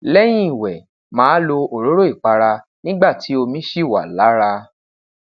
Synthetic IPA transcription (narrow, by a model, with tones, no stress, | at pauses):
lɛ˦j̃ĩ˦i˨wɛ˨ | mãː˨˦lo˧o˨ɾo˨˦ɾo˦i˦˨k͡pa˧ɾa˧ | nĩ˦ɡ͡ba˦˨ti˨˦o˧mĩ˨˦ʃi˦˨wa̰˨la˨˦ɾa˧